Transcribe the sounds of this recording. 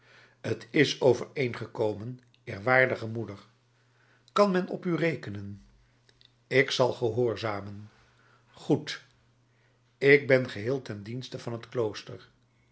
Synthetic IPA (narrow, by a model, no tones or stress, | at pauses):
ətʰɪsowvəɹejnχəkowmən | ɪːɹʋaːɹdəχəmudəɹ | kɑnmɛnɔ̰pyrejkənən | ɪksɑlˠχəɦoːɹzaːmən | χut | ɪk̚bɛnχəɦɪːlˠtɛndinstəvɑnɦətklowstəɹ